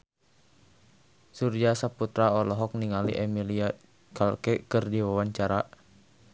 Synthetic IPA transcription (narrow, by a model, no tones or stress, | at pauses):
surd͡ʒasaput̪ɾaɔlɔɦɔk̚niŋalḭʔɛmilia | kalkɛkɨrdiwawaɲt͡ʃaɾa